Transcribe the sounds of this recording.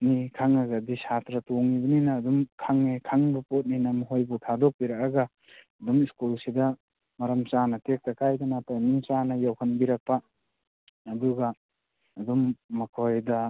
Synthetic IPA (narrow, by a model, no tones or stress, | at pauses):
nikʰaŋaɡadisatɾɐtoŋibɐninɐːdumkʰaŋːekʰaŋbɐpot̚ninɐmuɦojbutʰadok̚biɾakaɡaː | dumiskulsidɐ | mɐɾɐmt͡ʃanɐtek̚tɐkajdanatanint͡ʃanɐjawhɐnbiɾɐk̚paː | duɡɐː | dumːɐkʰojdɐ